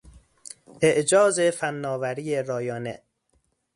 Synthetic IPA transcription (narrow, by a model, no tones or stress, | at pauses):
ʔeʔd͡ʒɒːzefænːɒːvæɾiːeɾɒːjɒːnḛ